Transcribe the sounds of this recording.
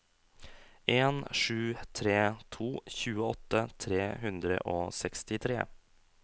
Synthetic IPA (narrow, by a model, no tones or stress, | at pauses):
ʔeːnʂʉːt̪ʰɾeːt̪ʰuːçʉːəɔt̪ːət̪ʰɾeːɦʉnd̪ɾə̰ʔoːsɛkst̪ɪt̪ʰɾḛː